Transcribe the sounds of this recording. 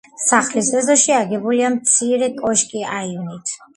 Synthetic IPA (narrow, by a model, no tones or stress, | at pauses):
saχlisɛzɔʃiaɡɛbuliamt̪sʰiɾɛkʼɔʃkʼiaivnit̪ʰ